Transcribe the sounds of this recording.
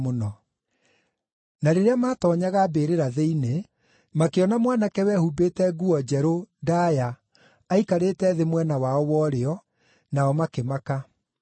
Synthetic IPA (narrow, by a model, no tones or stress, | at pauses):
monɔ | naɾeɾeamaːtɔːɲaɣabeːɾeɾaðeine | makeɔnamwanakɛwɛhubeːtɛɡuɔd͡ʑɛɾodajaː | ikaɾeːtɛðemwɛnawaɔwɔɾeɔ | naɔmakemaka